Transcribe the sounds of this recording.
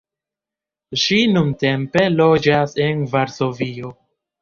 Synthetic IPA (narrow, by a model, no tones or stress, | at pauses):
ʃinunte̞mpe̞lo̞d͡ʒase̞nvaɾso̞vio̞